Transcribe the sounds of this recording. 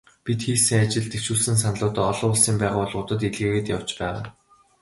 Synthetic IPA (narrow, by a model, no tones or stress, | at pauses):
pit̪xiːsɘ̆ŋat͡ɕɪ̆ɮt̪eʃuːɮsɘ̆ns̬anɮʊːt̪ɔ̆ɔɮʊːʊ̆ɮsiːmpæːʁaːɔɮʁʊːt̪ə̆t̪iɮɣeːɣɘ̆t̪jaw̥t͡ɕpæːʁa̰ː